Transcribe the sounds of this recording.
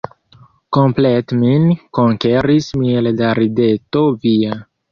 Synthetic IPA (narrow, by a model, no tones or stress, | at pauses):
kompletminkoŋkeɾismieldaɾide̞to̞via